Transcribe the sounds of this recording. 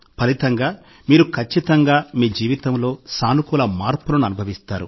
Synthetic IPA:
pɐlit̪ɐŋɡaː | miːɾukʰɐt͡ʃːit̪ɐŋɡaːmiːd͡ʒiːʋit̪ɐmlo̞ːsaːnukulɐmaːɾpulɐnuɐnubʱɐʋist̪aːɾṵ

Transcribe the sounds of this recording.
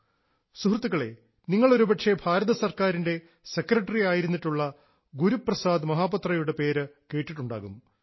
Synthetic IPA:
suhrt̪ːuɣɐɭe̞̰ | niŋːɐɭoɾubɐʈʂe̞bʱaːɾɐðɐsɐrkaːɾinde̞ | se̞krɐʈːɐriaːjiɾunːiʈːuɭːɐ | ɡuɾupːrɐsaːd̪mɐɦaːpɐt̪rɐjuɽe̞pe̞ːɾɨke̞ːʈːiʈːuɳɖa̰ːɣum

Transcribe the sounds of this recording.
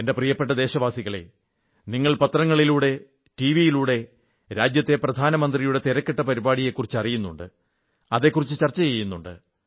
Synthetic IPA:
ende̞prijɐpːeʈːɐd̪e̞ːɕɐʋaːsiɣɐɭe̞̰ | niŋːɐɭpɐt̪rɐŋːɐɭiluːɽe̞ | ʈiʋijiluːɽe̞ | ɾaːd͡ʑjɐt̪ːe̞prɐd̪ʱaːnɐmɐnd̪rijuɽe̞t̪iɾɐkːeʈːɐpɐɾibaːɽije̞kːurit͡ɕːɨɐrijunːuɳɖɨ | ɐðe̞kːurit͡ɕːɨt͡ɕɐrt͡ɕːɐt͡ɕejːunːuɳɖɨ̰

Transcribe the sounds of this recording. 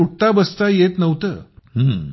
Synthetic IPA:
uʈ̚t̪abəst̪ajet̪nəʋt̪ə̰ːɦə̃

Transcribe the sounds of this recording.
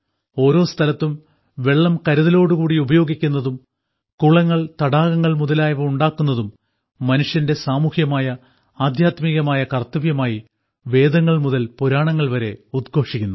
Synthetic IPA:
o̞ːɾo̞ːst̪ʰɐlɐt̪ːum | ʋe̞ɭːɐmkɐɾuðɐlo̞ːɽukuːɽiubɐjo̞ːɡikʲːunːɐðum | kuɭɐŋːɐɭt̪ɐɽaːɣɐŋːɐɭmuðɐlaːjɐʋɐuɳɖaːkːunːɐðumː | ɐnuʂjɐnde̞saːmuhjɐmaːjɐ | aːd̪ʱjaːt̪miːɣɐmaːjɐkɐrt̪ːɐʋjɐmaːji | ʋe̞ːd̪ɐŋːɐɭmuðɐlpuɾaːɳɐŋːɐɭʋɐɾe̞ud̪̚ɡʱo̞ːʂikʲːunːu

